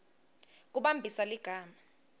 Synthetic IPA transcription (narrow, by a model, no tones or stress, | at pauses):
k̬ʼuɓambʱisaliɡ̥ʱaːma